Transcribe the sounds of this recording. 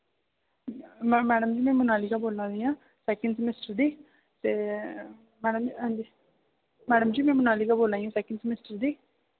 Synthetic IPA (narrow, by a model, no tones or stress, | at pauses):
mmɛːɖəmd͡ʒiːmɛ̃ːmʊnaːliːkaːboːlãːd̪iːãː | sɛːkəɳɖsmɪsʈəɾd̪iː | t̪eː | mɛːɽəmɦɛ̃nd͡ʒiː | mɛːɖəmd͡ʒiːmɛ̃ːmʊnaːliːkaːboːlãːĩũːsɛːkə̃ɳɖsmɪsʈəɾd̪iː